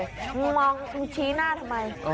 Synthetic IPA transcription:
ŋmɔ˧ŋ̩˨t͡ɕʰi˨˦na˧˨t̪ma˨˧j

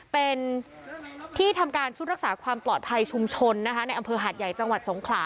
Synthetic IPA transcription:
pe˧n | t̪ʰiː˥˩t̪ʰa˧mkaː˧nt͡ɕʰu˦˥t̪̚ɾa˦˥k̚saː˩˦kʰwaː˧mplɔː˨˩t̪̚pʰa˧jt͡ɕʰu˧mt͡ɕʰo˧nːa˦˥kʰa˦˥na˧jʔa˧mpʰɤː˧ɦaː˨˩t̪̚ja˨˩jt͡ɕa˧ŋwa˨˩t̪̚so˩˦ŋkʰlaː˩˦

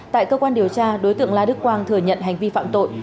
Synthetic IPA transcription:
t̪a̰ː˧˨jkəː˧kwaː˧nɗi˨˩əwt͡ɕaː˧ɗo˨˦jt̪ɨ̰˧˨əŋlaː˧ɗɨ˦˥kːwaː˧ŋt̪ʰɨː˧˩jɲə̰˧˨nɦa˨˩jŋ̟vi˧fa̰ː˧˨mt̪o̰˧˨j

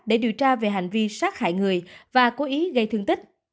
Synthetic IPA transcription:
ɗe˧˩ɗḭ˨˧˩əwt͡ɕaː˧ve˨˩ɦa˨˩jŋ̟vi˧saː˦˥t̚xa̰ː˧˨jŋɨ˨˩əjvaː˨˩ko˨˦ʔi˨˦ɣə˧jt̪ʰɨ˧əŋt̪i˦˥k̚

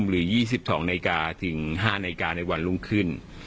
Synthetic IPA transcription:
mɾɯː˩˦jiː˥˩s̬i˨˩p̚sɔ̰ː˩˦ŋnaː˧jkaː˧t̪ʰɯ˩˦ŋɦaː˥˩naː˧kaː˧na˧jwa˧nlu˥˩ŋkʰɯ˥˩n

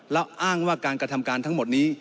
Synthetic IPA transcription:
lɛː˦˥wʔaː˥˩ŋwaː˥˩kaː˧nkɾa˧t̪ʰa˧mkaː˧nt̪ʰa˦˥ŋmo˨˩t̪̚niː˦˥

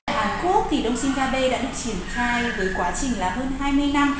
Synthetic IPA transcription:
jʔaː˨˦nku˦˥ək̚t̪ʰi˨˩ɗə˧wŋ͡msï˧ŋɣaː˧ɓe˧ɗa̰ː˧˥ɗɨ˨˩ək̚t͡ɕi˧˩ənxaː˧jvəː˨˦jkwaː˨˦t͡ɕï˨˩ŋ̟laː˨˩ɦəː˧nɦaː˧jmɨ˧əjna˧m

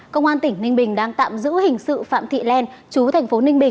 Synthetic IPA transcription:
kə˧wŋ͡mʔaː˧nt̪ï˧˩ŋ̟nï˧ŋ̟ɓï˨˩ŋ̟ɗaː˧ŋt̪a̰ː˧˨mzɨ̰˧˥hï˨˩ŋ̟sɨ̰˧˨fa̰ː˧˨mt̪ʰḭ˧˨lɛ˧nt͡ɕu˨˦t̪ʰɛ˨˩ŋ̟fo˨˦n˧ŋɓï˨˩ŋ

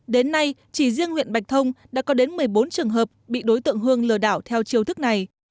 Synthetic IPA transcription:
ɗe˨˦nːa˧jt͡ɕi˧˩zi˧əŋhwḭ˧˨nɓa˨˩jk̚t̪ʰə˧wŋ͡mɗa̰ː˧˥kɔ˨˦ɗe˨˦nmɨ˨˩əjɓo˨˦nt͡ɕɨ˨˩əŋɦəː˨˩p̚ɓḭ˧˨ɗo˨˦jt̪ɨ̰˧˨əŋɦɨ˧əŋlɨ˧˩əɗaː˧˩wt̪ʰɛ˧wt͡ɕi˧əwt̪ʰɨ˦˥k̚na˨˩j

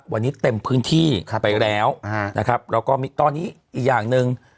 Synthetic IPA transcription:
wa˧nːiː˦˥t̪e˧mpʰɯː˦˥nt̪ʰiː˥˩˧pa˧jɾɛː˦˥wna̰˦˥kʰa˦˥p̚lɛː˦˥wkɔː˥˩miː˧t̪ɔː˧nːiː˦˥ʔiː˨˩k̚jaː˨˩ŋnɯ˧ŋ

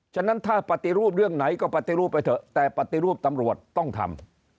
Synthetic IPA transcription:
t͡ɕʰa˥˩na˦˥nt̪ʰaː˥˩pa˨˩t̪i˧ɾuː˥˩p̬̚ɾɯ˥˩əŋna˩˦jkɔː˥˩pa˨˧t̪i˧ɾuː˥˩pːa˧jt̪ʰɤ˨˩t̪ɛː˨˩pa˨˩t̪i˧ɾuː˥˩p̚t̪a˧mɾu˨˩ət̪̚ːɔ˥˩ŋt̪ʰa̰˧m

